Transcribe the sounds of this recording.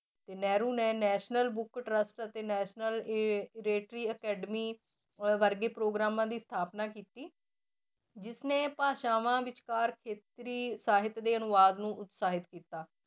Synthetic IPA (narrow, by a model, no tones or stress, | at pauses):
t̪eːnɛːɾuːnẽːnɛːʃnəlbʊkʈɾəsʈət̪eːnɛːʃnəlɪɾeːʈɾiːəkɛːɖəmiː | ʋəɾɡeːpɾoːɡɾaːmãːd̪iːst̪ʰaːpnaːkiːt̪iː | d͡ʒɪsneːpaːʃaːʋãːʋɪt͡ʃkaːɾkʰeːt̪ɾiːsaːɦɪt̪d̪eːənʊʋaːd̪nũːʔʊt̪saːɦɪt̪kiːt̪aː